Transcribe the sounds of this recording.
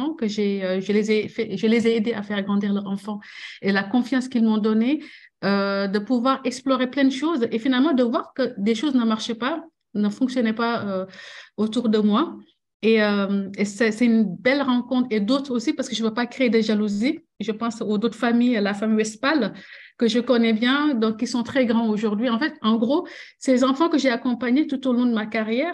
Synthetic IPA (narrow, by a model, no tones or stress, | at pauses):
ɑ̃kəʒeøʒəlezɛfɛʒəlezɛed̪eafɛʁɡʁɑ̃d̪iʁlœʁɑ̃fɑ̃elakɔ̃fjɑ̃skilmɔ̃d̪ɔne | ød̪əpuvwaʁɛksplɔʁeplɛ̃d̪əʃoːzefinalmɑ̃d̪əvwaʁkəd̪eʃoznəmaʁʃɛpa | nəfɔ̃ksjɔnɛpaøot̪uʁd̪əmwa | eəmesɛsɛtynbɛlʁɑ̃kɔ̃t̪χed̪ot̪χosipaʁsəkəʒəvøpakχeed̪əʒaluzi | ʒəpɑ̃sodot̪χə̥famijlafamijwɛspal | kəʒəkɔnɛbjɛ̃d̪ɔ̃kːisɔ̃t̪χɛɡʁɑ̃oʒuʁd̪ɥiɑ̃fɛt̪ɑ̃ɡʁosɛzɑ̃fɑ̃kəʒeakɔ̃paɲet̪ut̪olɔ̃d̪əmakaʁjɛːʁ